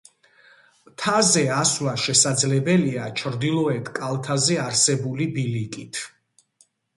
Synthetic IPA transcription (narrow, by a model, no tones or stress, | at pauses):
t̪ʰazɛaswaʃɛsad̪zlɛbɛliat͡ʃʰɾd̪ilˠɔɛt̪ʰkʼalˠt̪ʰazɛaɾsɛbulibilikʼit̪ʰ